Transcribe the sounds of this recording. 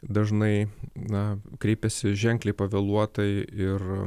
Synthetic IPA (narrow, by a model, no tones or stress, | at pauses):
d̪ɐʒnɐɪnɐkɾʲɛɪpʲɛsʲɪʒʲɛŋklʲeɪpɐʋʲɛlˠuɔt̪ɐɪɪr